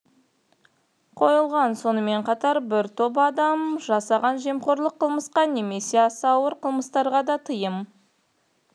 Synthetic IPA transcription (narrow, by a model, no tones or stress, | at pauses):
qʰo̞jəlˠʁɑnso̞nəme̞ɴqʰɑt̪ɑɾbɪɾt̪ʰopɑd̪ɑmʒɑsɑʁɑnʒe̞mqo̞ɾlˠəqʰːəlˠməsqɑne̞me̞se̞ɑsɑwəɾqʰəlˠməst̪ɑɾʁɑd̪ɑt̪ʰəjəm